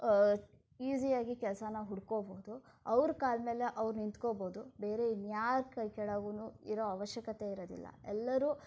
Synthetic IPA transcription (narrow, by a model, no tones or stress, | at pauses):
iːzijaːɡikɛlsɐnɐɦuɽkoːboːd̪u | ɐʋɾkaːlmeːleʔɐʋɾunint̪koboːd̪ube̞ːɾe̞injaːɾkɐjkɛɽɐɡunuiɾoɐʋɐʃjɐkɐt̪e̞iɾod̪ḭlːɐ̰ɛlːɐɾuː